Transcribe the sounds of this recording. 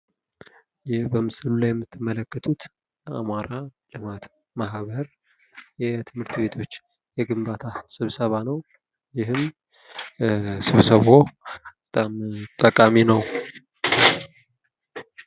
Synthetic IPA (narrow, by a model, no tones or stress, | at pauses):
jɪbəmɨsɨlulajɛmːɨt̪ʰːɨmːələkːət̪ʰut̪ | ja̰maɾalɨmat̪ | mahβəɾ | jɛt̪ʰɨmhɨɾt̪βe̞t̪ʰo̞t͡ʃː | jɛɡɨmbat̪ʰasɨβsəβanəw | jɪɦɨm | sɨβsəβo̞bət̪ʼamt̪ʼəkʼaminəw